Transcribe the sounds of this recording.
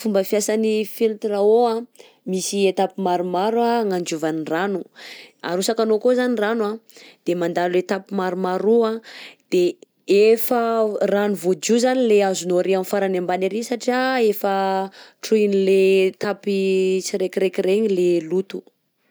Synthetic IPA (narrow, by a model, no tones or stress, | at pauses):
fumbəfjasanifilt̪raoa | misiet̪apimaɾumaɾwaŋand͡ʒuvaniranua̰ɾusakanokozaniranwad̪̥emand̪alulet̪apimaɾumaɾuad̪̥e | efəranuvod͡ʒuzanileazunoɾiamfaɾanambaneɾisaʈ͡ʂiaefəʈ͡ʂuinilet̪apit͡siɾekʲiɾekireɲilelut̪u̥